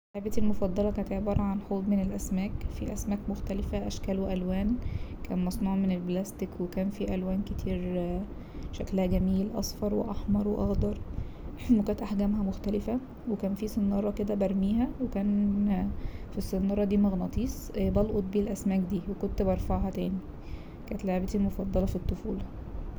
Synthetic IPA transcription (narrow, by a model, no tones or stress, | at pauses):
ħabæt̪ilmofɑd̪ˤːɑlɑkæːnt̪eʕbɑːɾˤɑʕanħoːd̪ˤmenelʔæsmæːkfiʔæsmæːkmoxt̪ælefæʔæʃkæloʔælwæːnkæ̰ːnmɑsˤnuːʕmenelblæst̪ikwekæːnfiʔælwæːnket̪ʰiːɾ | ʃæklæhæɡæmiːlʔɑ̰sˤfɑɾˤwḛʔɑħmɑɾˤweʔɑɣd̪ɑɾˤ | ekæːt̪ʔaħɡæmɦæmoxt̪ælefæ | wekæːnfisˤenɑːɾˤɑked̪æbæɾˤmiːɦæwekæːn | fisˤːenɑːɾˤɑd̪iːmɑɣnɑt̪ˤiːsˤbɑlʔot̪̚ˤbiːlʔæsmæːk̚d̪iːwekont̪bɑɾˤfɑʕɦɑt̪æːni | kænt̪laʕbet̪ilmofɑd̪ˤːɑlɑfit̪ˤːofuːl